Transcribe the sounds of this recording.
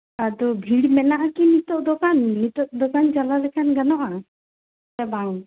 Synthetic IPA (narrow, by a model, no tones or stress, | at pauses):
ad̪ɔbʱiɽmɛnaʔakinit̪ɔʔd̪ɔkanːit̪ɔʔd̪ɔkand͡ʒalalɛkʰanɡanɔʔa | t̪ɛbaŋ